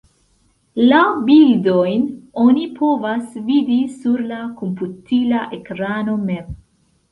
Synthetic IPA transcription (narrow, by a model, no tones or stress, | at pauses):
lawbildo̞jno̞nipʰo̞vasvidisuɾlakomputilaʔe̞kɾano̞mem